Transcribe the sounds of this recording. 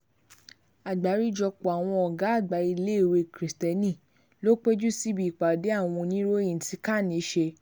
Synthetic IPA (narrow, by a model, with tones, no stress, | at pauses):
a˨ɡ͡ba˨˦ɾi˦d͡ʒɔ˧k͡po˨a˨w̃ɔ̃˧ɔ˨ɡa˨˦a˦˨ɡ͡ba˨˦i˧le˦i˦˨we˧˨kɾi˨stɛ˧nĩ˦˨ | lo˦k͡pe˦d͡ʒu˦si˦bi˦˨k͡pa˨de˨˦a˦˨w̃ɔ̃˧nĩ˦ɾo˦jĩ˦˨ti˧ka˦˨nĩ˨˦ʃe˧